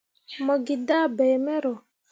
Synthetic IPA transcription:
mɔ˨ɡi˨da˦˨bɛ˨mɛ˦ɾɔ˨

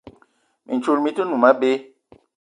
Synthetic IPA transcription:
mʔḭ˨n˨t͡ʃu˦lmi˦tə˦nu˨ma˦ɓe˦

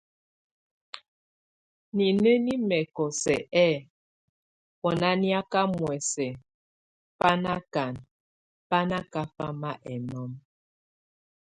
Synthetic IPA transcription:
ni˨ne˦ni˦mɛ˨kɔ˨sɛ˨ɛ˦˨ | wɔ˨na˦nja˦ka˦mwɛ˨sɛ˨ | pa˦na˦ka˨n | pa˦na˦ka˦fa˦ma˦ʔɛ˨nɔ˦m

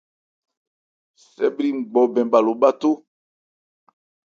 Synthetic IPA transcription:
sɛ̰˦bɾi˦ŋ͡m̩˨ɡ͡bɔ˨bɛ̃˨mba˨lo˨ɓa˦to˦

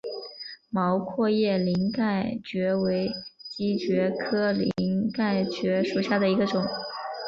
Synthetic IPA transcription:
mɑ˧˥ʊkʰwɔ˥˧jɛ˥˩li˧˥ŋka˥˩ɪt͡ɕɥɛ˧˥we˧˥ɪt͡ɕi˥t͡ɕɥɛ˧˥kʰɤ˥lḭ˧˥ŋka˥˩ɪt͡ɕɥɛ˧˥ʂu˨˩ɕja˥˩d̪ə˩i˧˥ɡə˧ʈ͡ʂʊ˨˩˦ŋ

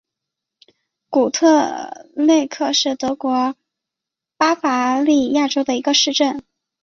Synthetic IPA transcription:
ku˨˩t̪ʰɤ˥˧le˥˧ɪkʰɤ˥˧ʂɻ̩˥˩t̪ɤ˧˥kwɔ˧˥ | pa˥fa˧˥li˥˧ja˥˩ʈ͡ʂo˥ʊd̪ə˨i˧˥ɡə˧ʂɻ̩˥˧ʈ͡ʂə˥˩n

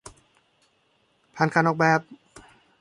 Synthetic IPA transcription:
pʰaː˧˨nkʰaː˧nɔː˨˧˩k̚bɛː˨˩p̚

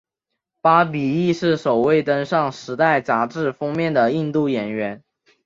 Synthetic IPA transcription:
pa˥p̬i˨˩i˥˧ʂɻ̩˥˩ʂo˨˩ʊwe˥˩ɪt̪ə˥ŋʂɑ˥˩ŋʂɻ̩˧˥t̪a˥˩ɪt͡sa˧˥ʈ͡ʂɻ̩˥˩fɤ˥ŋmjɛ˥˩nd̪ə˩i˥˧nt̪u˥˩jɛ˨˩nɥɛ˧˥n

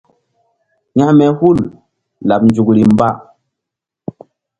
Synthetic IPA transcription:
ɲa˦mɛ˨hu˦˨l | la˨p̚nd͡ʒu˨kɾi˨m˦ba˦

